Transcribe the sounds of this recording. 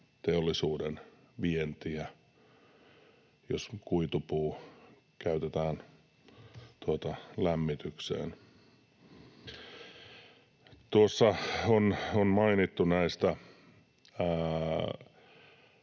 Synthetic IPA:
t̪eolːisuːden | ʋient̪iæ | jo̰skuit̪upuː | kæyt̪et̪æːn | t̪uot̪ɑlæmːit̪yksḛːn | t̪uosːɑononmɑinit̪ːunæist̪æ

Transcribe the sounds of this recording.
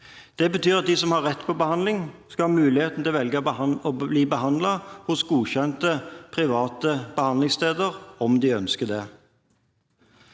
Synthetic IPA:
d̪̥ɛbət̪ʰyːʁɑt̪̚d̪iːsɔmhɑʁɛt̪ːpʰɔbəhɑnd̪lɪŋskɑhɑmʉːlɪheːt̪n̩t̪ɪlʋɛlɡəɔbliːbəɦɑnd̪lɑhʊsɡuːçɛnt̪əpʰʁɪʋɑːt̪əbəhɑnd̪lɪŋst̪eːd̪əʁɔmd̪ɪœnskəd̪ɛ

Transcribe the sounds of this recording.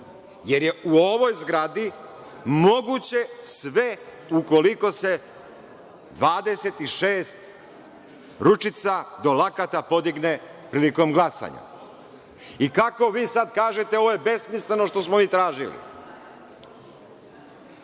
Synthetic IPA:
jeɾje̞uo̞ʋo̞jzɡɾad̪i | mo̞ɡut͡ɕe̞sʋe̞ | uko̞liko̞se̞ | d̪ʋaːd̪e̞se̞t̪iʃeːst̪ | ɾut͡ʃit̪sad̪o̞lakat̪apo̞d̪iɡne̞ | pɾiːliko̞mɡlˠasa̰ɲa̰ | ikako̞ʋiːsad̪kaːʒe̞t̪eo̞ʋojebe̞smisle̞no̞ʃt̪o̞smomiːt̪ɾaːʒilḭ

